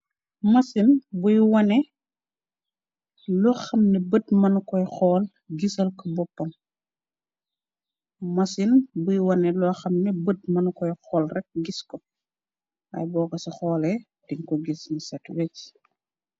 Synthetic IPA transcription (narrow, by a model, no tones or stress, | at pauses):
mɐsinbujwɐnɛ | lɔxɐmnɛbədmɐnkɔjxɔːl | ɡisɐlkəbɔpːɐm | mɐsinbujwɐnɛlɔxɐmnɛbəd̚mɐnkɔjxɔːlrɛk̚ɡiskɔ | ʔɐ̰jbɔːkɐsɐxɔːlɛ | d̥iŋkɔɡisnisɛtwec